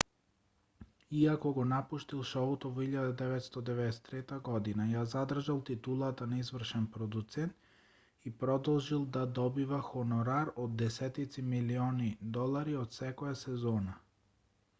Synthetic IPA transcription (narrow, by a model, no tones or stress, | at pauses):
iakoɡonapuʃt̪ilˠʃɔut̪oviʎad̪ad̪ɛvɛt̪st̪ɔd̪ɛvɛd̪ɛsɛ̥t̪ɾɛt̪aɡɔd̪inajaːzad̪r̩ʒalˠt̪it̪ulˠat̪anaizvr̩ʃɛnpɾod̪ut̪sɛnt̪ | ipɾɔd̪ɔlˠʒilˠd̪ad̪ɔbivaxonɔɾaɾod̪dːɛsɛt̪it̪similionid̪ɔlˠaɾiod̪sɛkɔjasɛzɔːna